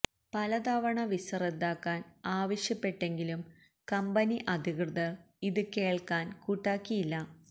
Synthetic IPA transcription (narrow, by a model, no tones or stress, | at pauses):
pɐlɐd̪aʋɐɳɐʋisɐred̪aːkːaːnaːʋɐɕjɐpːe̞ʈːe̞ŋɡilum | kɐmbɐniʔɐd̪ʱikrɨðɐr | iðɨke̞ːɭkaːnkuːʈːaːkːijilːɐ